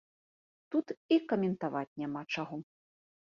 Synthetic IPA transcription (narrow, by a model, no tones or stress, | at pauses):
t̪ut̪ikɐmʲɛnt̪avat͡sʲnʲamat͡ʂaɣɔ